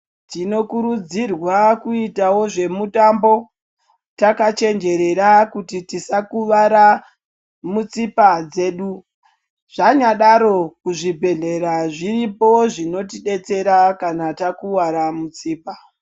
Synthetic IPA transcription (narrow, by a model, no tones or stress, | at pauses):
tino̞kuɾud͡zirwakuitawo̞ʐe̞mutambo̞ | takat͡ʃe̞nd͡ʒe̞ɾe̞ɾakutitisakuʋaɾa | mut͡sipad͡ze̞ːɗu | ʐ̥aɲaɗaɾo̞kuʐibʱe̞ɮe̞ɾaʐiripo̞ʐino̞tiɗe̞t͡se̞ɾakanatakuwaɾamut͡siːpa